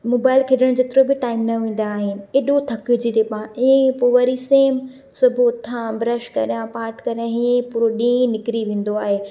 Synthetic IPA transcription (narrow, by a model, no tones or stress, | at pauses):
moːbaːɪlkʰeɗəɽ̃d͡ʑeːt̪ɪɾobɪʈaːɪmnɐʋẽːn̆d̪aːɦɪnɪ̆eːɗot̪ʰɐkɪd͡ʑit̪epãʔɪẽpoʋɐɾiseːm | sʊbʱut̪ʰãbɾəʃkɐ̰ɾjãpaːɾʈkɐɾjãɦiẽpuːɾoɗĩːnɪkɪɾiʋẽːn̆d̪oaːɦeː